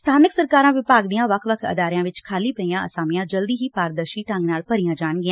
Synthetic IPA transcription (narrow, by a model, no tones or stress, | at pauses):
st̪ʰaːnəksəɾkaːɾãːʋɪpaːɡd̪ijãːʋəkʰʋəkʰə̰d̪aːɾɪjãːʋɪt͡ʃkʰaːliːpəijãːʔəsaːmijãːd͡ʒəld̪iːɦiːpaːɾd̪əɾʃiːʈə̃ŋɡnaːlpəɾijãːd͡ʒaːɳɡɪãː